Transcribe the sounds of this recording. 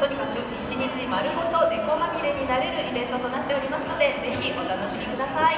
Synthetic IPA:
t̪oɲ̟ʲikakɯ̟it͡ɕiɲʲĩd͡ʑĩmoaɾɯ̟ɦot̪o̞d̪e̞ko̞makʲiɾe̞ɲ̟inaɾe̞ɾɯ̟ʔibẽ̞nt̪o̞t̪o̞nat̪ːe̞o̞ɾʲimasɨno̞d̪e̞ze̞çiʔo̞t̪ano̞ɕimʲikɯ̟d̪asai

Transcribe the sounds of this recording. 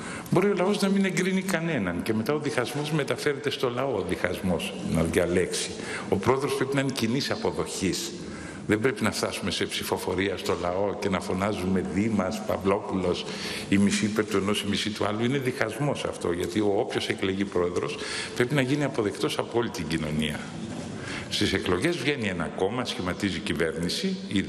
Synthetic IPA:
bo̞ɾio̞lɐo̞znɐmine̞ŋɡɾinikɐne̞nɐnce̞me̞t̪ɐo̞ðixɐzmo̞zme̞t̪ɐfe̞ɾe̞t̪e̞st̪o̞lɐo̞ðixɐzmo̞snɐðʝɐleksi | o̞pɾo̞eðɾospɾepinɐinecinisɐpo̞ðo̞çis | ðembɾe̞pinɐft̪ɐsume̞se̞psifo̞fo̞ɾiɐst̪o̞lɐo̞ce̞nɐfo̞nɐzume̞ðimɐspɐ̰vlo̞pulos | imisipet̪ueno̞simisit̪uɐ̰luine̞ðixɐzmo̞sɐ̰ft̪o̞ʝɐt̪ioopço̞sekleʝipɾo̞e̞ðɾo̞s | pɾe̞pinɐʝiniɐpo̞ðe̞kt̪o̞sɐpoolit̪iɟino̞niɐ̰ | st̪ise̞klo̞ʝe̞zvʝe̞nienɐ̰ko̞mɐsçimɐt̪iziːcive̞ɾnisii

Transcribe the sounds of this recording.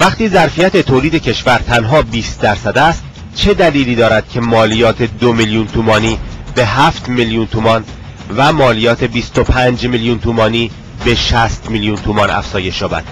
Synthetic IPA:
væχt̪iːzæɾfijæt̪ʰe̞t̪ʰoːliːd̪e̞cʰe̞ʃvæɾt̪ʰænɦɒːbiːst̪̚d̪æɾsæd̪æst̪̚ | t͡ʃʰe̞d̪æliːliːd̪ɒːɾæd̪̥̚cʰe̞mɒːlijɒːt̪ʰe̞d̪omiljuːnt̪ʰuːmɒːniːbe̞ɦæft̪miljunt̪ʰuːmɒn | væmɒːlijɒːt̪ʰe̞bist̪opʰænd͡ʒmiljuːnt̪ʰuːmɒːniː | be̞ʃæst̪miljunt̪ʰuːmɒnæ̰fz̥ɒːje̞ʃjɒːbæ̰d̪̥

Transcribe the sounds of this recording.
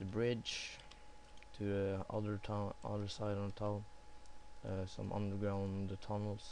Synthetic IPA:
ðəbɹɪdd͡ʒ | tʰɨʌ̰ðə˞tʰaʌ̰ðə˞saɪɾnətʰa | sʌ̰̃mʔʌ̰̃ndə˞ɡɹãʊ̃ndətʰʌnl̩ˠz̥

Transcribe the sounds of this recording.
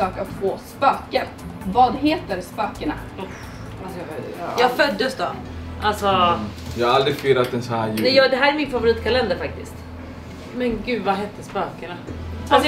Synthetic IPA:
ɑːkɔt̪foːspøːkəɾ | vɑːd̪ɦeːt̪əɾspøːkəɳa̰ | asɔjɑːɡfœd̪ːəsd̪ɔ | ʔalsɔ | jɑːaald̪ɾɪfiːɾat̪̚d̪ɛnsɔhæːnɛjɑːɡd̪ɛɦæːɾæɾmɪnfavʊɾiːt̪kʰalɛnd̪əɾfak̚t̪ɪst̪ | mɛnɡʉ̟ːd̪vaɦɛːt̪ːəspøːkəɳaals

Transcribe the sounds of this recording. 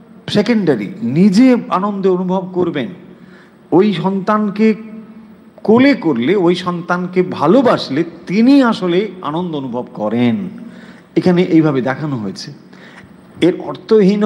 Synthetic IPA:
sekeɳɖaɾḭnid͡ʑea̰nond̪oonubʱob̚koɾben | ojʃɔnt̪anke | kolekoɾleojʃɔnt̪ankebʱalobaʃlet̪iniaʃolea̰nond̪oonubʱobkɔɾen | ekʰaneʔejbʱabed̪ɛkʰanoɦojet͡ɕʰe | eɾɔ̰ɾt̪ʰoɦin

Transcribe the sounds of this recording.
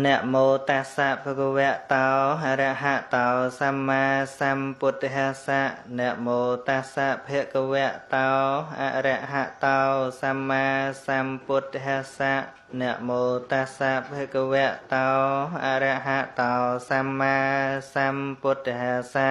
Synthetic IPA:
nɛ̆əʔmoːt̪asaʔpʰekəʋɛəʔt̪ɑɦaɾɛəʔɦaʔt̪ɑsamːaːsampuət̪ʰːiɦɛəsaʔnɛ̆əʔmoːt̪asaʔpʰiəʔkəʋɛəʔt̪aɔʔa̰ʔrɛəʔɦaʔt̪ɑsamːaːsampuət̪ːɦɛəsaʔ | nɛ̆əʔmoːt̪asaʔpʰiəʔkəʋɛ̆əʔt̪aʔa̰ʔɾɛʔɦaʔt̪ɑsamːaːsamput̪ːɦɛəsaʔ

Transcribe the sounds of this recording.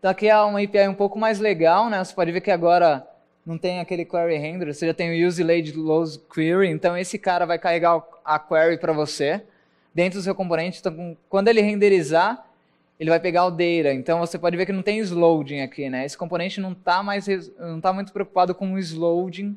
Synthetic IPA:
t̪ãakiaũɐipeajũpowkʊmajzleɡawnɛvose̥pɔd͡ʒɪveɾkɪaɡɔɾɐ | nɐ̃w̃t̪ẽj̃akelɪkwɛɾiɦẽd̪eɾoseʒat̪ẽj̃ʊuzilejd͡ʒɪlowzkwiɾiẽnt̪ɐ̃w̃esɪkaɾɐvajkaheɡaʊɐkwɛɾipɾɐvose | d̪ẽnt̪ɾʊd̪ʊs̬ewkõmpõnẽnt͡ʃɪẽt̪ɐ̃w̃kwɐ̃nd̪ʊelɪɦẽnd̪eɾiza | elɪvajpeɡaʊd̪ejɾɐẽnt̪ɐ̃w̃vosepɔd͡ʒɪveɾkɪnɐ̃w̃t̪ẽj̃izlowd͡ʒĩakʰinɛesɪ̥kõponẽnt͡ʃɪnɐ̃w̃t̪amajsenɐ̃w̃t̪amũj̃t̪ʊ̥pɾeowku̥pad̪ʊkõʊizlowd͡ʒĩ

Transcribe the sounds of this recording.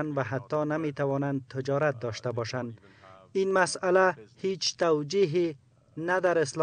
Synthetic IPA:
nvaɦat̪ːɒnamet̪awɒnand̪̚t̪ʰɪd͡ʒɒɾat̪̚d̪ɒʃt̪abɒʃand̪ | inmasalahet͡ʃt̪awd͡ʒiɦe | nad̪aɾɪsl

